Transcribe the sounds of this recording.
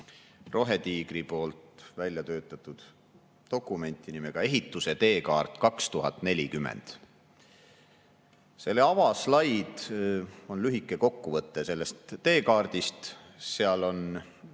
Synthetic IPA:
ro̞ɦe̞t̪iːɡ̥ripo̞ːlt̪vælʲjɑt̪ø̞ːt̪ːˑɑt̪ˑːud̪̥ | t̪o̞kːˑume̞nʲt̪ːˑinimeɡ̥ɑe̞ɦit̪ːˑuse̞t̪e̞ːkɑːrt̪ːˑkɑkst̪uɦɑt̪ˑne̞lʲikymːˑḛnd̪̥ | se̞lːeɑvɑslɑjd̪̥ | o̞nlyɦikːˑe̞ko̞kːuvɤt̪ˑːese̞lːe̞st̪ːe̞ːkɑːrd̪̥ist̪ | seɑlo̞n

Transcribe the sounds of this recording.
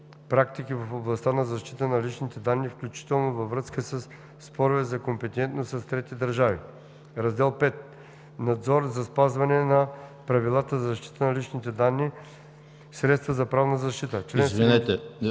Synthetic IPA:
pɾak̚t̪ikivəfoblˠɐst̪anɐzɐʃt̪it̪ənɐlit͡ʃnit̪ɛd̪anːifklʲut͡ʃi̥t̪ɛlˠnovɐvɾəskəsəsː | pɔɾʊvɛzɐkompɛt̪ɛnt̪nossɐst̪ɾɛt̪id̪əɾʒavḭ | ɾɐzd̪ɛlˠpɛt̪̚ | nɐd̪zɔɾzɐspazvɐnɛnɐpɾɐvilˠat̪əzɐzɐʃt̪i̥t̪ənɐlit͡ʃnit̪ɛd̪anːi | sɾɛt̪st̪vəzɐpɾavnəzɐʃt̪it̪ət͡ʃlɛnzvvinɛt̪ɛ

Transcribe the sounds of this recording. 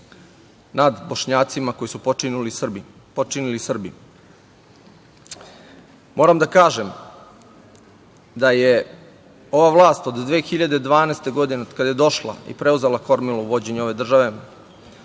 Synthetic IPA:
nad̪boʃɲaːt̪simako̞jisupolib | pot͡ʃinilisr̩bi | mʔo̞ːɾamd̪akaːʒem | d̪aje | o̞ʋaʋlˠaːst̪o̞d̪d̪ʋeːxiʎad̪e̞d̪ʋaːnest̪eɡo̞d̪inekad̪aje̞d̪o̞ʃla̰ḭpɾe̞uzelˠako̞ɾmilouʋo̞d͡ʑe̞ɲuo̞ʋe̞d̪r̩ʒaʋe̞

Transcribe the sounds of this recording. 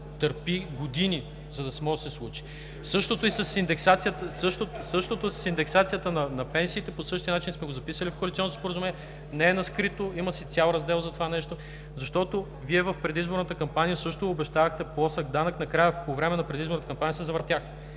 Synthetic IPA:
t̪əɾpiɡod̪ini | zɐd̪ɐsmɔʒəsɛslˠut͡ʃi̥ | sɤʃt̪ot̪oisɐsind̪ɛksat̪sijət̪əsɤʃt̪osɤʃt̪ot̪oʊssind̪ɛksat̪sijət̪ənɐnɐpɛnsiːt̪ɛposɤʃt̪iənat͡ʃinsmɛɡozɐpisəlifkoɐlit̪sɔnːot̪ospoɾəzumɛnijɛ | nɛɛnɐskɾit̪oimɐsit̪sʲalˠɾɐzd̪ɛlˠzɐt̪ovanɛʃt̪o | zɐʃt̪ɔt̪o | viɛvɐfpɾɛd̪izboɾnət̪əkɐmpanijəsɤʃt̪oːbɛʃt̪avɐxt̪ɛplˠɔsəɡd̪anəknɐkɾajəpovɾɛmɛnɐpɾɛd̪izboɾnt̪əkɐmpanijəsɛzɐvəɾt̪jaxt̪ɛ̥

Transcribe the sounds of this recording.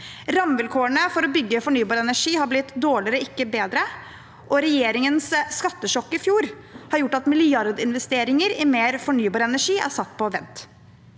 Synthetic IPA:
ɾɑmʋɪlkʰoːəɳəfɔɾɔbʏɡːəfɔɳyːbɑːɾəɛnæʂiːhɑɾblɪt̪d̪oːɭɪɾɔɪkːəbeːd̪ɾə | ʔɔɾɛjeːɾɪŋənsskɑt̪ːəʂɔkːɪfjuːɾ | hɑɾjʊʈːɑt̪mɪlɪɑɾd̪ɪnʋɛst̪eːɾɪŋəɾɪmeːɾfɔɳyːbɑːɾəɛnæʂiːʔæ̰ɾsɑt̪ːpʰɔʋɛnt̪

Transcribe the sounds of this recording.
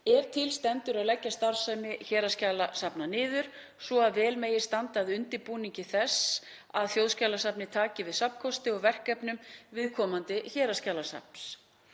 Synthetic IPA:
ɛɾ̥t̪ʰɪlst̪ɛnt̪ʏɾaðlɛcːast̪aɾ̥sajmɪçɛːɾascaːlasapnanɪːðʏɾ̥ | svɔaðvɛːlmeːjɪ̥st̪ant̪aðʏnt̪ɪpuːniɲcɪθɛsː | aðθjowðscaːlasapnɪt̪ʰaːcɪvɪðsapn̥kʰɔst̪ɪɔɣvɛr̥kɛpnʏmvɪðkʰɔːmant̪ɪçɛːɾascaːlasa̰p̚ns

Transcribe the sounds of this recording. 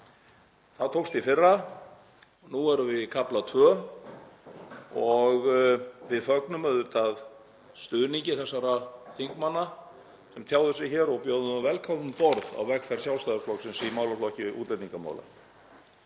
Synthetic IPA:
θaðt̪ʰowkst̪ifɪrːa | nuɛɾʏvɪkʰaplat̪ʰvœː | ɔɣvɪðfœknʏmœðʏɾt̪að | st̪ʏðniɲcɪθɛsːaɾaθiŋkmanːa | sɛmt̪ʰjaːwðʏsɪçɛːɾɔɣpjɔːðʏavɛlkʰaʏmfɔɾða̰wvɛkfɛɾ̥sjawlst̪ajðɾflɔksɪnsimaːwlaflɔhcɪʔṵːt̪lɛt̪niŋkama̰wla̰

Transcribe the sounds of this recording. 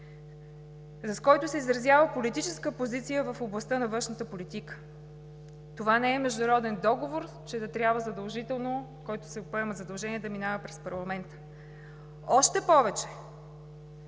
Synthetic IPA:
zɐskɔjt̪ʊsɛizɾɐzʲjavəpolit̪it͡ʃɛskəpozit̪sijəvəfoblˠɐst̪ənɐvɤ̃nʃnət̪əpolit̪ikə̥ | t̪ovanɛɛmɛʒd̪ʊɾɔd̪ɛnd̪ɔɡovoɾ | t͡ʃɛd̪ɐt̪ɾʲjabvəzɐd̪ɐlˠʒit̪ɛlˠnokɔjt̪ʊ̥sɛpoɛməzɐd̪ɐlˠʒɛniɛd̪ɐminavəpɾɛspɐɾlˠɐmɛnt̪ə̥ | ɔʃt̪ɛpɔvɛt͡ʃɛ̥

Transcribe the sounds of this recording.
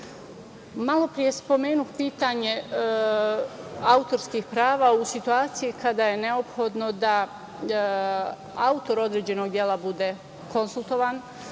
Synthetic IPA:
malo̞pɾije̞spo̞me̞ːnuxpiːt̪aɲe̞ | aut̪o̞ɾskixpɾaːʋausit̪uaːt̪sijikad̪aje̞ne̞o̞pxo̞d̪no̞d̪a | aut̪o̞ɾo̞d̪ɾe̞ːd͡ʑe̞no̞ɡd̪je̞lˠabud̪e̞ | ko̞nsulˠt̪o̞ʋaːn

